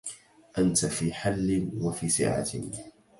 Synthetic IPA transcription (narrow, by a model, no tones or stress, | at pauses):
ʔant̪afiːħalːɪnwafiːsɪ̰ʕa̰t̪